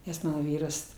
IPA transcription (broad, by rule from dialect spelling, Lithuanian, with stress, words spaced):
nʲɛs ˈmɑːnoː ˈʋʲiːrɐs